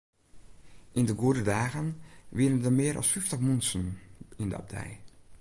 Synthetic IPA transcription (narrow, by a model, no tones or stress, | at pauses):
ʔindəɡuədədaːɣənʋiənəndəmɪəɾʔɔ̰sfɪftəxmunsənində̰a̰b̚dɛ̰j